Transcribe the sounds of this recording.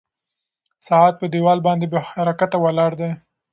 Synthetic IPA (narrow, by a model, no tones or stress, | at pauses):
sɑɑt̪̚pəd̪ewɑlbɑnd̪ebehaɾɑkat̪awalɑɽd̪e